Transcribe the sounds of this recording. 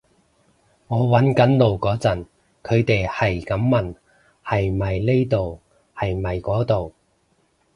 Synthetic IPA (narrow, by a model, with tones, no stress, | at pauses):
ŋɔː˨˧wɐ˨˥nkɐ˨˥nlo˨wkɔː˨˥t͡sɐ˨˩n | kʰɵ˨˧ɥt̪e˨jhɐ˨jkɐ˨˥mːɐ˨˩n | hɐ˨jmɐ˨jle˥jt̪o˨w | hɐ˨jmɐ˨jkɔː˨˥t̪o˨w